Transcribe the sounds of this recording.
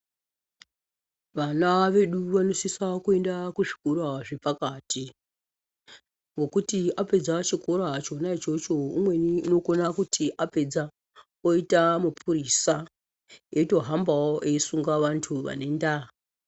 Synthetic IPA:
ʋanaʋe̞ɗuʋano̞sisakue̞ndakuʐi̥kuɾaʐe̞pakaːtʰi | ŋɡo̞kutiape̞d͡zat͡ʃikoɾat͡ʃo̞nait͡ʃo̞t͡ʃo̞umwe̞niːno̞konakutʰiʔape̞d͡za | oitamupʰuɾisa | eito̞ɦambawoʔeisuŋɡaʋantʰuʋa̰ne̞ndaɦa

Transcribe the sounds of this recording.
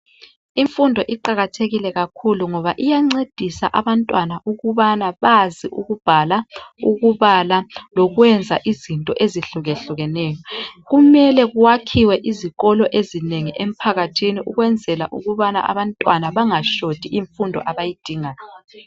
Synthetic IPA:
iɱfundʱɔʔiǃaɣatʰeɣilɛɣakʰuluŋɔβaʔijaŋ͡ǀed̥ʱisa̰ʔaβantʼwanaʔuɣuβanaβaziʔuɣub̥ʱalauɣuβalalɔɣwɛnd͡zʱaʔizintʼɔʔeziɬuɣeɬuɣɛnɛːjɔɣumɛlɛɣuwakʰiwɛʔiziɣɔlɔʔezineŋiʔem̩pʰaɣatʰiniʔuɣwɛnd͡zʱɛla̰ʔuɣuβana̰ʔa̰βantʼwanaβaŋaʃod̥ʱiiɱfundʱɔ̰ʔaβajid̥ʱiːŋa

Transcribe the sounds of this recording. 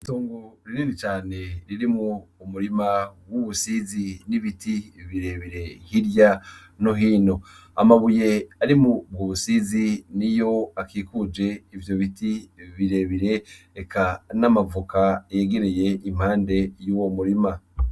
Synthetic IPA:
itoːŋɡoɾiniːnit͡ʃaːne̞ɾiɾimuːmuɾimawuβusiziniβitiβiɾe̞βiɾe̞hiɾja | no̞ɦiːno̞ | a̰maβuje̞aɾimubɡuβusizinijo̞akikud͡ʒe̞ivjo̞βitiβiɾe̞βiɾe̞ | ekʰanamavukajeɡeɾeje̞ʔim̥haːnde̞juːwo̞muɾima

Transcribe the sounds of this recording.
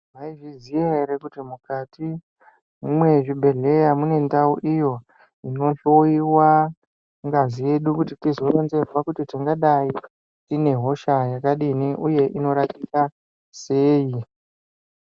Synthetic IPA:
maiʐizijeɾekutimukati | mumwe̞ʐibʱe̞ɮe̞jamune̞ndauʔijo̞ | ino̞ʃoiwa | ŋɡazije̞ɗukutitizo̞ronze̞rwakutitiŋɡaɗai | tine̞ɦo̞ʃajakaɗiniʔuje̞ʔino̞ɾatika | se̞ːji

